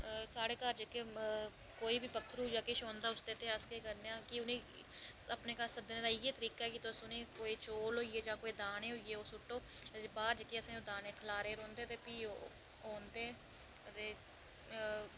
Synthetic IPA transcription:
saːɽeːkəɾd͡ʒəke | koːiːbiːpəkɾuːd͡ʒaːkɪʃoːnd̪aːʊsd̪eːt̪eːəskeːkəɾneaːkɪʊnĩː | əpneːkasəd̪eːneːd̪aːɪeːt̪əɾiːkaːɛːkɪt̪ʊsʊnẽːkoːiːt͡ʃoːlɦoːieːd͡ʒaːkoːiːd̪aːnẽːɦoieːoːsʊʈːoːbaːɾd͡ʒəkeːəsẽːoːd̪aːneːkʰəlaːɾeːɾõːnd̪eːt̪eːpiːo | oːnd̪eː | t̪eː

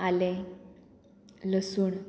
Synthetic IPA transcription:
ale | ləsuːɳ

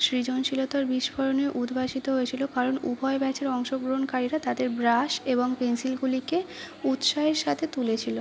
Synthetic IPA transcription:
ʃɾid͡ʑonʃilot̪aɾbiʃbʱɔɾoneʔud̪ʱbaʃit̪oɦojet͡ɕʰilokaɾonubʱɔebɛt͡ɕʰeɾɔŋʃoɡɾoɦonkaɾiɾat̪ad̪eɾbɾaʃeboŋpensilɡulike | ut̪ʃaɦeɾʃat̪ʰet̪ulet͡ɕʰilo

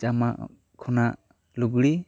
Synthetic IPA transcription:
d͡ʒama̰ | kʰɔna | luɡɽi

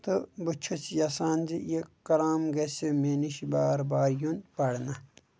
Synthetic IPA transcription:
t̪ɨbut͡ʃʰut͡sjɐsaːnd͡ʒijekɐɾaːmɡesemeniʃibaːɾbaːɾjonpɐɽnɐ

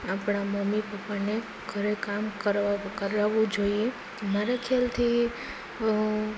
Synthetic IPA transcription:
apɽ̃aməmːipəpːane | ɡʱəɾekamkəɾkəɾaʋũd͡ʒoie | maɾakʰalt̪ʰi

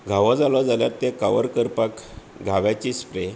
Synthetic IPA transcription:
ɡʱaʋɔd͡zalɔd͡zaljaɾt̪ekaʋəɾkəɾpakɡʱaʋjat͡ɕispɾe

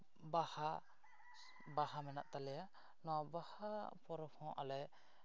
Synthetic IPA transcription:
baha | baɦamɛna̰ʔt̪alɛja | nɔbahapɔɾɔpʰɔ̃ʔa̰lɛ

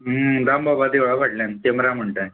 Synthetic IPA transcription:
əd̪ambʱabad̪eʋɭabʱaʈljant̪emɾam̤əɳʈaj

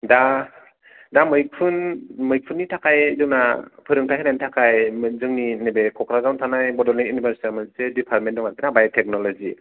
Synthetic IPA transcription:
da | damɯjk̚pʰɯnmɯjk̚pʰɯnːitʰakʰajzɯŋnapʰɯɾɯŋtʰajhanajnitʰakʰajzɯŋninebekʰɔkʰɾazawntʰanajbɔdɔlniŋjunibʱaɾsi̥tamɯnsedipʰaɾt̚mendɔŋakinabajatʰɛk̚nɔlɔzḭ

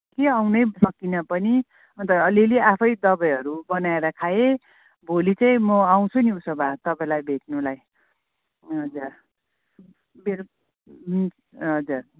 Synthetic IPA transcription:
keawnʌjsʌkːinʌpʌni | ʌnt̪ʌʌlileʔapʰʌjd̪ʌbʌjɦʌɾubʌnaeɾʌkʰae | bʱolit͡saĩmʌaw̃t͡sʰuniusʌbʱat̪ʌpaj̃lajbʱeʈ̚nulaj | ɦʌd͡zur | beɾ | ɦʌd͡zur

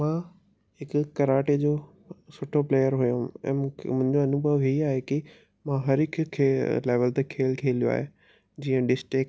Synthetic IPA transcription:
mãː | ɦɪkʊkɐɾaːʈed͡ʑoː | sʊʈʰopleːjəɾɦujoɛ̰̃ːm̃mʊ̃ɦɪ̃ɲd͡ʑoɐnʊbʱəʋɦiaːɦeki | mãːɦɐɾɪkʰkʰːeːleːʋəlt̪ekʰeːlkʰeːlijoa̰ːɦe | d͡ʑiːə̃ɖɪsʈɪk

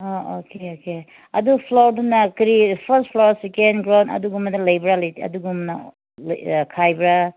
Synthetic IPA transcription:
ookeoke | ɐdupʰloɾdunɐkɾipʰɐst̚pʰlosekenɡɾawnɐ̰duɡumɐdɐlɐjbɾalɐjiɐ̰duɡumnɐ | l̰kʰajbɾa

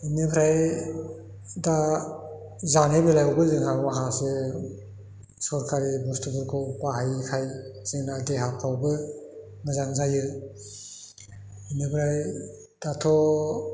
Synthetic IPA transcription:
inibʰɾaj | da | zanebɯlajɔbɯzɯŋhawaɦase | sɔɾkʰaɾibɔstubɯɾkʰɔpwaɦajkʰajz̥iŋnadeɦakʰawbɯ | nazaŋzajɯ | inibʰɾaj | d̥atʰɔ

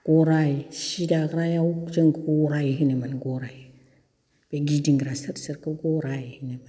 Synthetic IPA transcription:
ɡ̥oɾajeʃidakɾajat͡ʃeŋɡɡoɾajiɦinemanɡoɾaji | b̥eɡidiŋɡiɾasiɾsiɾkaɡoɾajihineman

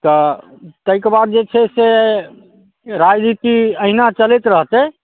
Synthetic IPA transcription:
t̪ɔt̪əikebad̪̚d͡ʒet͡ʃʰɛse | ɾad͡ʒnit̪iəɦinat͡ʃəlet̪ɾəɦt͡ʃɛ

